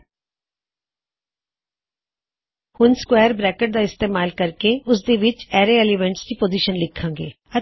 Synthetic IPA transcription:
hʊnskwɛːəɾbɾɛːkəʈ̚d̪aːɪst̪eːmaːlkəɾkeʊs̬d̪eːʋɪt͡ʃɛːɾeeːliʋɛ̃ɳʈskiːpoːziːʃənlɪkʰːãːŋɡḛː | ə

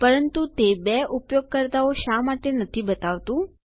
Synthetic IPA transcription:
pəɾənt̪ut̪ebɛʔupjoɡ̚kəɾt̪aoʃamaʈenət̪ʰibət̪aʋt̪ũ

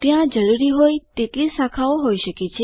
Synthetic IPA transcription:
t̪jãd͡ʒəɾuɾiɦojt̪et̪lisãkʰaoɦoiʃəket͡ʃʰe

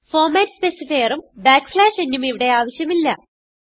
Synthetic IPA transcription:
fo̞ːrmaːtspesifɐjɐrumbaːkːflaːʂe̞nːumiʋiɽe̞aːʋɐɕjɐmilːɐ̰

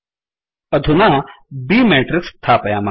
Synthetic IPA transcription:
ɐd̪ʱunabiːmeːʈɾɪkst̪ʰaːpɐjaːma

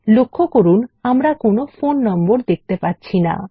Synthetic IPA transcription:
lokʰːokoɾunamɾakonofonːɔmboɾd̪ek̚t̪epatːɕʰina̰

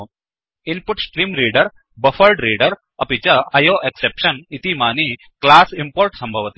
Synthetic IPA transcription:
inpuʈsʈɾiːmɾiːɖəɾ | bɐfəlɖɾiːɖəɾ | ɐpit͡ɕɐɐjoːʔeksepʂɐnit̪imaːni | klaːsimpoːɾʈsɐmbʱɐʋt̪e

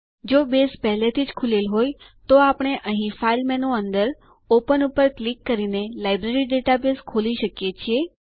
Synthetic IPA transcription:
d͡ʒobespɛɦlet̪ʰid͡ʒkʰulelɦoj | t̪oapɽ̃eʔəɦĩfailmɛnõənd̪əɾ | opənupəɾklikːəɾinelajbɾeɾiɖeʈabeskʰoliʃəkjet͡ʃʰie

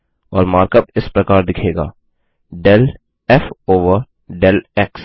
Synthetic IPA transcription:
ɔːɾmaːɾkəpɪspɾɐkaːɾd̪ɪkʰeːɡa̰ː | ɖɛl | ɛfoːʋəɾ | ɖɛlɛks

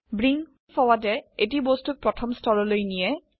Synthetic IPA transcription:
bɹiŋ | pʰɔwatɛet̬ibɔstuk̚pɹɔtʰɔmstɔɹɔlojnijɛ

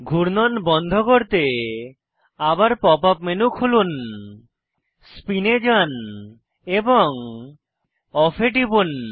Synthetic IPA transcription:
ɡʱuɾnɔnbɔnd̪ʱɔkoɾt̪e | abaɾpɔpapmenukʰulun | spined͡ʒan | ebɔŋ | ɔpʰeʈibun

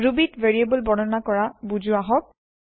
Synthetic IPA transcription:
ɹubitveɹiebɔlbɔnɔnakɔɹabuzʊaɦɔk̚

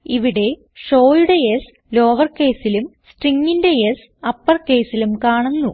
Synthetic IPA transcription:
iʋiɽe̞ | ʂo̞ːjuɽe̞es | lo̞ːʋɐrke̞ːsilumsʈriŋːinde̞jes | ɐpːɐrke̞ːsilumkaːɳunːu

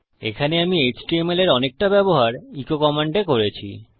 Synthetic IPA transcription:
ekʰaneamied͡ʑʈiemeleɾɔnek̚ʈabɛboɦaɾikokɔmaɳɖekoɾet͡ɕʰḭ

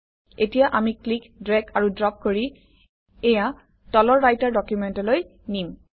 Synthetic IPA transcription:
etijaʔamiklikdɹɛkʰaɹudɹɔp̚koɹi | ɛja | tɔlɔɹːajtaɹdɔkjumɛntɔloj | nim

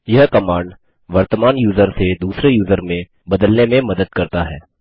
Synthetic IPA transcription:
jɐɦkɐmaːɳɖ | ʋɐɾt̪əmaːnjuːzəɾsed̪uːsɾejuːzəɾmẽ | bɐd̪əlnemẽmɐd̪əd̪̚kɐɾt̪aɦɛː

